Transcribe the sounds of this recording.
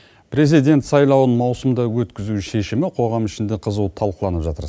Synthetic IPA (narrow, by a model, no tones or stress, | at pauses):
pɾe̞zijd̪e̞nt̪sɑjlˠɑwənmɑwsəmd̪ɑwɵt̪kʲɪzuʃe̞ʃɪmɪqʰo̞ʁɑmɪʃɪnd̪eqʰəzuwt̪ʰɑlˠqəlˠɑnəpʒɑt̪əɾ